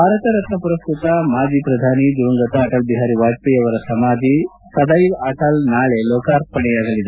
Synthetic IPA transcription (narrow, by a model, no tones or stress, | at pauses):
bʱaɾɐt̪ɐɾɐt̪nɐpuɾɐst̪ɾit̪amaːd͡ʒiːpɾɐd̪ʱanid͡ʒuʋŋɡɐt̪aːʈʰɐlbiɦaɾiːʋaɽt̪ijɐʋɐɾɐsɐmad̪ʱi | sɐd̪aiʋaʈʰalnaːɭeloːkaɾpɐɳiaɡɐlid̪a